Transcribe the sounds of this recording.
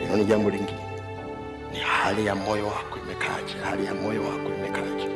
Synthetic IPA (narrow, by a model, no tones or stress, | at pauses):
inoniɟambuliŋɡi | nihalijamojɔwakumɛkʰa̰t͡ʃi̥halijamojɔwa̰kuimɛkalat͡ʃi̥